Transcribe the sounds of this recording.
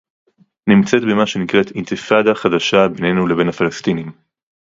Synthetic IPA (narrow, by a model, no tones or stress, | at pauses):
nimt͡set̪bemaʃe̞nikʁet̪int̪ifad̪aχad̪aʃabene̞nulebe̞nafalast̪inim